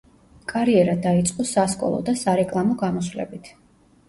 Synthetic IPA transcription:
kʼaɾiɛɾad̪ait̪sʼqʼɔsaskʼɔ̰lˠɔ̰d̪asaɾɛkʼlˠamɔɡamɔsvlɛ̰bit̪ʰ

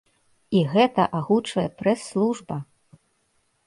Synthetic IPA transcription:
iɣɛt̪ɐʔaɣut͡ʂvɐjɛpɾɛsːlˠuʐbɐ

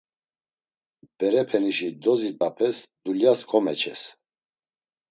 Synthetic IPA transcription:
b̥ɛɾɛpʰɛniʃid̪ɔzit̪ʼapʰɛsd̪uljaskʰɔmɛt͡ʃʰɛ̰s

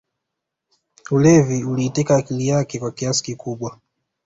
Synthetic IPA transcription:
ulɛviuliːtɛkaːkilijakɛkwakiasi̥kikuɓwa

